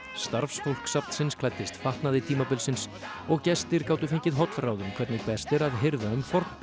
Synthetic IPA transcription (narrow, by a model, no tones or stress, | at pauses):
st̪aɾfsfowl̥ksap̚n̥sɪnskʰlajt̪ːɪst̪faht̪naðɪt̪ʰiːmapɪlsɪns | ɔɣcɛst̪ɪɾkaːwt̪ʏfeɲcɪðɦɔwt̪fɾaːwðʏmkʰvɛɾt̪nɪpɛst̪ɛɾaðɦɪɾvaʏmfɔɾ̥t̪np